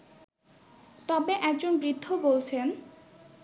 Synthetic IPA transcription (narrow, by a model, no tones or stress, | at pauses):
t̪ɔbeʔɛk̚d͡ʑonbɾid̪ʱːobolt͡ɕʰen